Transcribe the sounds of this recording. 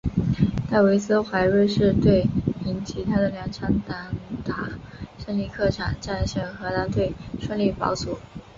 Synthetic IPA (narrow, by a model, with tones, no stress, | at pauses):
t̪a˥˩ɪwe˧˥ɪsɹ̩˥xwa˧˥ɪɻe˥˧ɪʂɻ̩˥˧t̪we˥˩ɪi˧˥nt͡ɕʰi˧˥t̪ʰa˥d̪ə˨ljɑ˧˥ŋʈ͡ʂʰɑ˧˥ŋt̪a˧˥ŋt̪ʰa˨˩˦ʂə˥˧nli˥˧kʰɤ˥˩ʈ͡ʂʰɑ̰˨˩nt͡ɕa˥˧nɕɛ˥˩nxɤ˧˥na˧˥nt̪we˥˩ɪʂwə˥˧nli˥˩pɑ̰˧˥ʊt͡su˨˥˦